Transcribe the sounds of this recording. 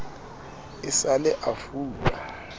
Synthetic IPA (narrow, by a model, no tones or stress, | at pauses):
ɪsalɛʔafuːtʼa̰